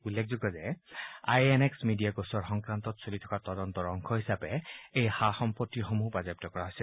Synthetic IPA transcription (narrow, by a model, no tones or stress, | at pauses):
ulːek̚zuɡɔzɛa̰jɛnɛksmidijaɡosɔɹxɔŋkɹantɔtsolitʰɔ̥katɔdɔntɔɹɔŋkʰɔɦisapɛejxaxɔmpɔtːixomubazɛp̚tɔkɔɹaɦojsɛ